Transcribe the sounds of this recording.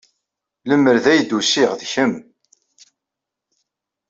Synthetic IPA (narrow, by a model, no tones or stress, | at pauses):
ləmːəɾðæjd̪ːusɪʁðçəm